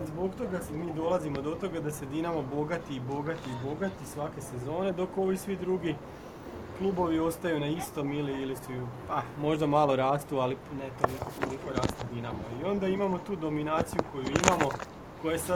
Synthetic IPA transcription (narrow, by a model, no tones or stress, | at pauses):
zbo̞kt̪o̞ɡamiːd̪o̞lˠazimod̪o̞t̪o̞ɡad̪ase̞d̪inamabo̞ɡat̪iːbo̞ɡat̪iːbo̞ɡat̪isʋake̞se̞zo̞ːne̞d̪o̞ko̞ʋisʋid̪ɾuɡi | klˠuːbo̞ʋio̞st̪ajunaist̪o̞miliilisuupamo̞ʒd̪amalˠo̞ɾaːst̪ualinet̪onisot̪t̪olˠiko̞ɾaːst̪ud̪inamaio̞nd̪aimamo̞t̪uːd̪o̞minaːt̪sijuko̞juimamo̞ | ko̞jesa